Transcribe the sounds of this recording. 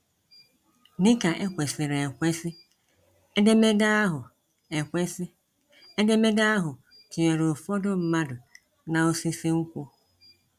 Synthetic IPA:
nɪ̃˦kʰa˨ʔɛ˨kʷɛ˨sɪ˨ɾɛ̃˨kʷɛ˦sɪ˦ | ɛ˦dɛ˦mɛ˦da˦ɦʊ˨ | ɛ˨kʷɛ˦sɪ˦ | ɛ˦dɛ˦mɛ˦daː˦ɦʊ˨ | tʰɪ˨ɛ˨ɾo˨fɔ˦dʊ˦m̩˦mã˦dʊ˨ | nã˨o˦si˦se˦ŋ̩˦kʷu˦ɔ˦

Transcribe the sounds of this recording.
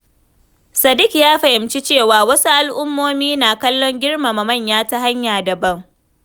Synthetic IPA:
sɐ˨dɪ˦kjaː˦ɸɐ˨hɪ˨mt͡ʃi˦t͡ʃeː˦˨waː˨wɐ˦su˦ʔa˦lʔʊ˦mːoː˦miː˦naː˨kɐ˦lːɔ˦ŋɡʲɪ˦ɽma˨ma˨mɐ˦˨ɲjaː˦ta˦ɦa˦ɲjaː˨dɐ˨bɐ˦˨ŋ

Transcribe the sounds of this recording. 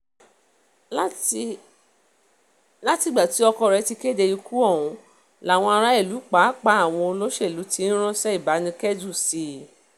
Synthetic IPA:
la˦ti˨˧˨ɡ͡ba˨ti˨˦ɔ˧kɔ˧˨ɾɛ˨˧˦ti˧ke˦de˧ju˧ku˦ɔ˦˨wũ˨˦ | la˨w̃ɔ̃˧a˧ɾa˦i˦˨lu˨˦k͡pa˨˦k͡pa˦a˦˨w̃ɔ̃˧o˧lo˦ʃe˦˨lu˨˦ti˧˦ñ̩˦ɾ̃ɔ̃˦ʃɛ˦i˦˨ba˨˦nĩ˧kɛ˦d͡ʒu˦˨si˨˧˦

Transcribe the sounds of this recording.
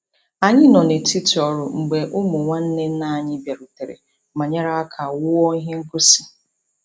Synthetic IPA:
a˨ɲɪ˦nɔ˨ne˨ti˦tɔ˨ɾʊ˨ŋ͡m̩˨ɡ͡be˨ʔʊ˦mʊ˨ŋʷa˦n̩˦ne˦n̩˦na˦˨ɲɪ˦bje˨ɾʊ˨te˨ɾḛ˨ | ma˨ɲa˦ɾa˦a˦kʰa˨wʊ˦ɔ˦i˦ɦe˦ŋ̩˦kʊ˦si̥˨

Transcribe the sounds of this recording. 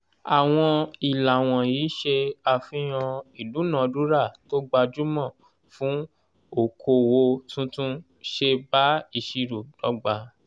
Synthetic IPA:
a˨w̃ɔ̃˧i˨la˨w̃ɔ̃˨jiː˨˦ʃe˧a˧fĩ˦j̃ɔ̃˧i˨lu˨˦nã˨˧du˦ɾa˦˨to˦ɡ͡ba˧d͡ʒu˦mɔ̃˦˨ | fũ˦ | o˦˨kʰo˧wo˧tũ˦tũ˦ | ʃe˧ba˦i˧˨ʃi˧ɾo˨d̥ɔ˨˦ɡ͡ba˧

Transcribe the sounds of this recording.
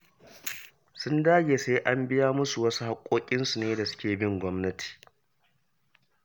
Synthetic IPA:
sʊ˦ndaː˦ɡʲeː˨se˦ʔa˦mbɪ˦jaː˦mʊ˦su˨wɐ˦su˦ha˦kʷʼoː˦kʲʼɪ˦nsu˨neː˦da˨sʊ̥˦kʲeː˨bɪ˦ŋɡʷɔ˦mnɐ˦tʰi̥ː˨

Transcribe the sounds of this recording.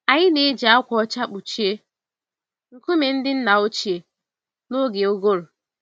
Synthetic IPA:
a˨ɲɪ˦ne˦d͡ʒa˦kʷɔ˨ɔ˦t͡ʃa˦k͡pu˨t͡ʃi˦e˦ | ŋ̩˨ku˦me˨n̩˦dɪ˦n̩˦na˨o˦t͡ʃi˨e˨ | no˦ɡe˨o˦ɡo˦ɾʊ˨

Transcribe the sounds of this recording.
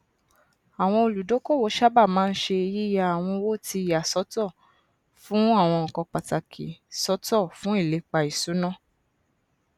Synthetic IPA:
a˨w̃ɔ̃˧o˧˨lu˨do˨˦ko˦˨wo˨˦ʃa˦ba˦˨mãː˦˧n̩˦ʃe˧ji˦ja˦˧a˨w̃ɔ̃˧wo˦˨ti˧˨ja˨sɔ˨˦tɔ˦˨ | fũ˦a˦˨w̃ɔ̃˧ɔ˨kɔ̃˧k͡pa˨ta˨kʰi˨sɔ˦tɔ˦˨fũ˦i˦˨le˨˦k͡pa˧i˨su˨˦nã˦˨

